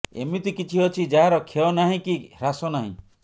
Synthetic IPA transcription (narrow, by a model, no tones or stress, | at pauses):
ḛmit̪ikit͡ʃʰiɦɔt͡ʃʰid͡ʒaɦaɾɔkʰeɔnaɦĩkiɾasɔnaɦḭ̃